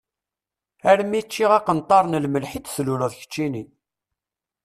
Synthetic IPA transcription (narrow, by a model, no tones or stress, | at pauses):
æɾmit͡ʃːiʁɑqənt̪ˤːɑɾˤnəlməlħid̪sluləðçə̥t͡ʃːini